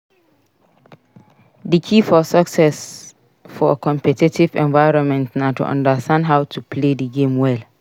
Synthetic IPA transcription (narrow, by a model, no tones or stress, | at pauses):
dəkʰifɔsəksɛs | fɔəkʰɔ̃mpɛtitivɛ̰̃nvaɪɹɔ̃nmɛ̃ntnatṵʔã̰ndəstʰãndɦaʊtʰupʰledəɡẽmwɛl